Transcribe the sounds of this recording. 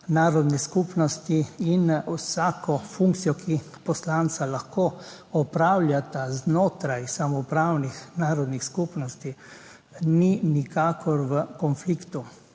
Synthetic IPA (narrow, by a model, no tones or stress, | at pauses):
naːɾɔd̪nɛskupnɔst̪iinwsaːkɔfũŋk̚tsijɔkʰi | pɔslaːnt̪salaxkoː | ɔpɾaːwlʲjat̪aznoːt̪ɾajsamɔpɾaːwnixnaːɾɔd̪nixskupnɔst̪i | ninikaːkɔɾʋəkɔnflikt̪u